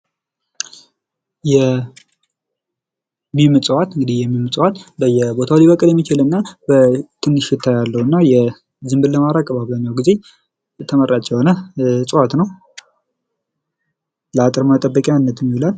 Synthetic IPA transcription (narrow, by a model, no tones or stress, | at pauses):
jɛ | mimɨt͡sʼwat̪ɨŋɡɨd̪ihjɛmːimt͡sʼwat̪bəjɛbot̪ʰawlibəkʼɨljɛmːit͡ʃɪlɨnːabət̪ʰɨnːɨʃːɪt̪ʰːajalːəhuɨnːajɛ | zɨmbɨd̪ləmaɾakʼːəbaβlaɲːawɡize̞ | t̪ʰəmərːat͡ʃːɛhonət͡sʼəwat̪nəw | ləat̪ʼɨɾmət̪ʼəbːəkʼjanːət̪mːilal